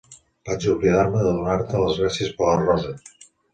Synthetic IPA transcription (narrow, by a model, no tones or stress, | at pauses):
b̥at͡ʃuβliðaɾməðəðunaɾt̪ələzɣlasiəspələrɔzə